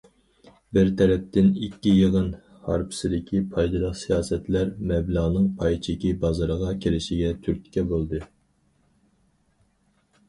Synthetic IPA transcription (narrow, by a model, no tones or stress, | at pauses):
bɪɾt̪ʰɛɾɛp̚t̪ɪnikʲːijəʁən | hɑɾpʰɪ̥sɪd̪ɪkʲʰipʰɑjd̪ɨlˠəqsijɑːsɛt̪læɾmɛblˠɑʁnɨŋpʰɑjt͡ʃʰikʲibɑzɑɾəʁɑkʲʰeɾɪʃɪɡʲɛt̪ʰyɾk̪ʲkʲɛbolˠd̪ɨ